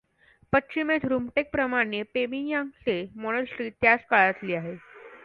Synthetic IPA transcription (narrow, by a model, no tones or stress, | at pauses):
pətːɕimet̪ʰɾumʈek̚pɾəmaɽ̃epemijãŋsemɔɽ̃əsʈɾiːt̪jat͡skaɭat̪liːaɦe